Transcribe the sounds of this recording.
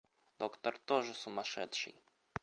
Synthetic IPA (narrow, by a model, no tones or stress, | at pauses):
d̪okt̪ɐrt̪oʐɨsʊmɐʂɛ̰t̪ʂɨ̰j